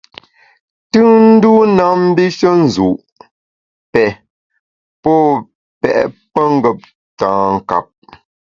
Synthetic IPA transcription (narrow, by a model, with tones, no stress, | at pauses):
tʉ˦n̩˦du˦na˦m̩˦bi˦ʃə˦n̩˨zu˨ʔ | pɛ˨ | pɔ˦ | pɛ̰˨ʔpə˦ŋ̩˦ɡə˦˨p̚ | tãː˨ŋ̩˨ka̰˨p̚